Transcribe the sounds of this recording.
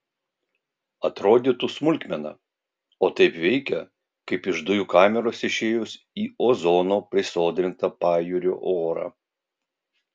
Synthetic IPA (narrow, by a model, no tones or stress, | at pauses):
ɐt̪ɾoːd̪ʲɪt̪usmʊlʲkʲmʲɛnɐ̰ | oːt̪ɐɪpʋʲɛɪkʲɛ | kɐɪpɪʒd̪ʊjukɑːmʲɛɾoːsɪʃʲeːjʊs | iːoːzoːnoːpʲɾʲɪsoːd̪ʲɾʲɪnt̪ɐpɑːjuɾʲo̰ːʔoːɾɐ̰